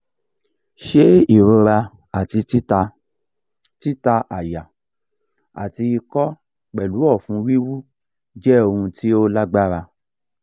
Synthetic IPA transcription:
ʃe˦i˦˨ɾo˧ɾa˧ | a˨ti˧i˦˧ | ti˦ta˧ʔa˨ja˨ | a̰˨ti˧i˧kɔ˦ | k͡pɛ˨lu˨˦ɔ˦˨fũ˨˧wi˦wu˦ | d͡ʒɛ˦o˧hũ˧ti˦o˦la˦ɡ͡ba˦ɾa˧

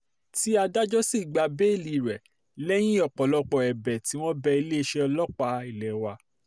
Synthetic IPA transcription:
ti˦a˧da˦d͡ʒɔ˦si˦˨ɡ͡ba˧be˦i˦˨li˧˨ɾɛ˨ | lɛ˦j̃ĩ˦ɔ˦˨k͡pɔ˨lɔ˧k͡pɔ˧˨ɛ˨bɛ˨ti˨˦w̃ɔ̃˦bɛ˧i˧le˦˧ʃɛ˧ɔ˧lɔ˦k͡pa˧i˦˨lɛ˨wa˧

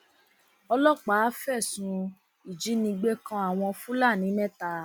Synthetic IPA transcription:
ɔ˧lɔ˦˨k͡pa˨˦fɛ˦˨sũ˧ | i˨d͡ʒi˨˦nĩ˧ɡ͡be˦kã˧˦a˨w̃ɔ̃˧fũ˦la˦˨nĩ˨˦mɛ̃˦ta˧˦

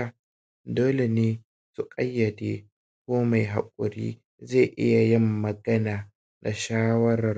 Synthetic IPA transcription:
a˨ | doː˦le˨neː˦ | su˨kʼɐ˦jːɐ˨deː˦ | kʷoː˦ma˨jɦa̰˨kʷʼʊ˨ɾḭː˦ | ze˦˨ʔɪ̰˦ja˨jɪ˦˨mːɐ˨ɡɐ˦naː˨ | na˨ʃaː˦wɐ˦ɾɐ˨

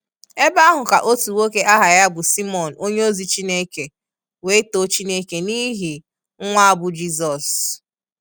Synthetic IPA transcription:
e˦ba˦ɦʊ˨ka˨ʔo˦tu˨wo˦ke˦ʔa˦ɦa˨ja˦bʊ˨si˦mɔ˨n̩˨o˦ɲe˦o˦zi˨t͡ʃi˦ne˦ke˨ | we˨˦to˦t͡ʃi˦ne˦ke˨ni˦ɦi˨ | ŋ̩˦ŋʷa˦a˦˨bʊ˨d͡ʒi˦zɔ˨s

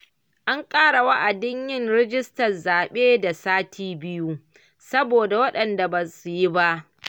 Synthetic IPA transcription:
ʔa˦ŋkʼaː˦ɽa˨wɐ˦ʔa˨dɪ˦ɲjɪ˦nɽɛ˦d͡ʒɪ˦stɐ˨rzaː˨ɓeː˦da˨saː˦tʰiː˦bɪ˦ju˦ | sɐ˦boː˨da˨wɐ˦ɗɐ˨nda˨bɐ˨su˨ji˦ba˦ʔ

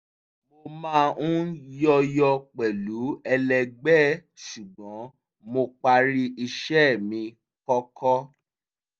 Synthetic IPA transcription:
mo˧mã˦˧˦ũ˦jɔ˧jɔ˧k͡pɛ˨lu˨˦ɛ˧lɛ˧ɡ͡bɛ˦˨ʃu˨ɡ͡bɔ̃˨˦ | mo˧k͡pa˧ɾi˧i˧ʃɛ˦˨mĩ˧ | kɔ˦kʰɔ˦

